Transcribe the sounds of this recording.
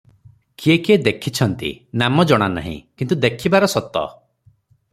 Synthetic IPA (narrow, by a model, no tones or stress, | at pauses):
kiekied̪ekʰit͡ʃʰɔnt̪ḭnamɔd͡ʒɔɽ̃ana̰ɦḭ̃kint̪ud̪ekʰibaɾɔsɔt̪ɔ̰